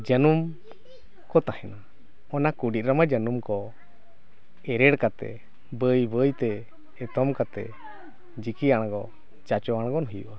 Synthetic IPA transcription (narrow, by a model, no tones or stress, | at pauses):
d͡ʒənum | kɔt̪ahɛna | ɔnakuɖit̪̚ɾamad͡ʒənumkɔ | ɛɾɛɽkat̪ɛ̰ | bəjbəjt̪ɛ | ɛt̪ɔmkat̪ɛ̰ | d͡ʒikiaɽ̃ɡɔ | t͡ʃat͡ʃɔaɽ̃ɡɔnɔɦjuʔa